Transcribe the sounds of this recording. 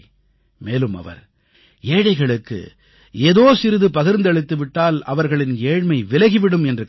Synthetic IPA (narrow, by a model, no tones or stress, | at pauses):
meːlɯmɐ̰ʋɐ̰ɾ | eːɻɐɪɣɐɭɯkːɯ̰ | eːðoːsɪɾɯðɯpɐɣɪɾnd̪ɐɭɪt̪ːɯʋɪʈːaːlɐ̰ʋɐɾɣɐɭɪneːɻmɐɪʋɪlɐɣiʋɪɽɯmɛndrɯ